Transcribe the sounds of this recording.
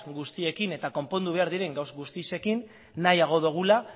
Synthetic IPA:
ɡust̪ie̞kine̞t̪ako̞mpo̞nd̪uβ̞e̞aɾðiɾe̞ŋɡawzɡust̪ise̞kinː | ajaɣ̞o̞ðuɣ̞ula

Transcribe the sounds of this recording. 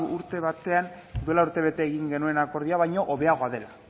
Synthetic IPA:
uɾt̪e̞βat̪e̞and̪ue̞lauɾt̪e̞β̞e̞t̪eːɣiŋɡe̞nue̞nako̞ɾð̞iaβajɲo̞ʔoβe̞aɣ̞o̞aðe̞la

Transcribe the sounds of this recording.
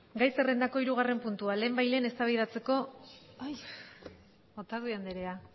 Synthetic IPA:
ɡajsere̞nd̪ako̞iɾuɣ̞are̞mpunt̪uale̞ːmbajle̞ːne̞st̪aβið̞at͡se̞ko̞ | ot̪aðuiand̪eɾea

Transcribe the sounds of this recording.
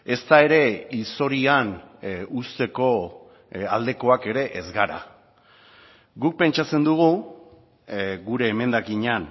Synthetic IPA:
e̞st̪ae̞ɾe̞ist̪o̞ɾianust̪e̞ko̞ | ald̪e̞ko̞ake̞ɾe̞ʔezɣaɾa̰ | ɡuk̚pe̞nt͡ʃat͡se̞nd̪uɣ̞u | ɡuɾe̞ːme̞nd̪akiɲan

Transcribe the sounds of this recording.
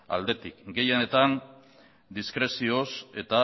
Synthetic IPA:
a̰ld̪e̞t̪ikɡe̞je̞t̪an | d̪iskɾe̞sio̞se̞t̪a

